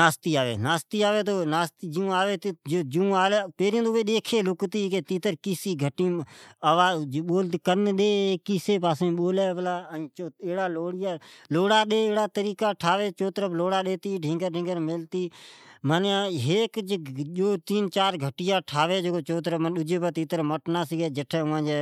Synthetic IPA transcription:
naːst̪iːaːʋḛːnaːst̪iːaːʋeːt̪oːnaːst̪iːd͡ʒiũːaːʋeːt̪ːd͡ʒiũaːlepeːɾiẽːd̪ʊʋeːɗeːkʰeːlʊkt̪iːket̪iːt̪əɾkɪːsiːɡʱəʈːĩːəʋaːɓoːlt̪ikəɾnɗ̪eːkɪːseːpaːsẽɓoːleːʋəlãːt͡ʃoːeːɽaːloːɽjaːloːɽaːɗeːeːɽaːt̪əɾiːkaːʈʰaːʋeːt͡ʃoːt̪ɾəbloːɽaːɗeːt̪iːɖʱɪ̃ŋɡəɾɖɪ̃ŋɡəɾmɪlt̪iːmənaɦeːkd͡ʒd͡ʒoːt̪iːnt͡ʃaːɾɡʱəʈɪjaːʈʰaːʋeːd͡ʒoːot͡ʃoːt̪ɾəmənɗʊd͡ʒeːbət̪iːt̪əɾməʈnaːsiɡeːd͡ʒəʈʰɛːʊãːd͡ʒeː

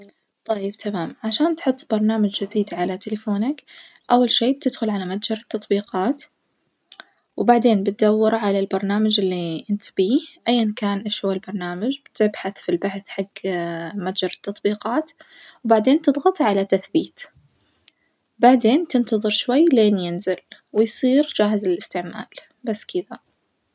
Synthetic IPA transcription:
t̪ˤɑjːɪbt̪ʰamaːmʕaʃaːnt̪ħʊt̪ˤːbɑɾˤnaːmad͡ʒd͡ʒɪd̪iːd̪ʕalat̪ɪlɪfoːnak | ʔawːalʃiːb̚t̪ɪd̪xʊlʕalamat̪d͡ʒɑɾˤɑt̪ːɑt̪ˤbiːqɑːt̪ | wbaʕd̪eːnbɪt̪̚d̪awːɪɾʕalalbɑɾˤnaːmad͡ʒɪlːiʔɪnt̪b̥iːʔajːankaːnʔɪʃalbɑɾˤnaːmad͡ʒb̥t̪ɪbħaθfilbaħθħaɡːmat̪d͡ʒɑɾˤɑt̪ːɑt̪ˤbiːqɑːt̪ | wbaʕd̪eːnt̪ɨd̪ˤɣɑt̪ˤʕalat̪aθbiːt̪ | baʕd̪eːnt̪ɪnt̪ɑðˤɨɾʃwajːleːnjɪnzɪlwɪjsˤiːɾd͡ʒaːɦɪzɪlɪst̪ɪʕma̰ːl | basːkɪða

